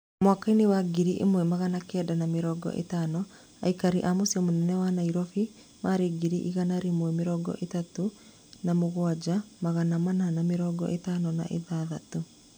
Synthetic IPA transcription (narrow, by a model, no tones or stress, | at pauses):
mwakainewaɡiɾiʔḛmwɛmaɣanakɛdanameɾɔɡɔ̰ʔḛtanɔ | a̰ikaɾiʔamosiɔmonɛnɛwanaiɾɔfi | maɾeɡiɾiʔḭɣanaɾemwɛmɪɾɔɡɔ̰ʔetato | namoɣwad͡ʒamaɣanamananameɾɔɡɔ̰ʔetanɔna̰ʔḛðaːðato